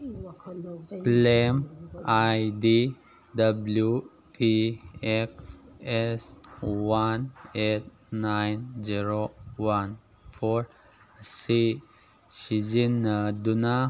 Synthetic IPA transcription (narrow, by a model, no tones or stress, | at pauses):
klemajdi | dablju | tʰiekseswanet̪̚ | najnziɾowan | fʰɔɾ | si | sid͡ʒind̪una